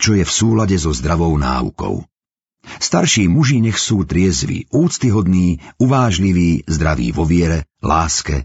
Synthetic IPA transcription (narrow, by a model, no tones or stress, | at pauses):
t͡ʃɔjɛfsuːlaɟɛzɔzd̪ɾaʋɔʊna̰ːṵkɔ̰ʊ | st̪aɾʃiːmuʒiɲɛxsuːt̪ɾɪɛzʋḭuːt͡st̪iɦɔd̪niːuʋaːʒliʋiːzd̪ɾaʋḭːʋɔʋɪɛɾɛlaːskɛ̰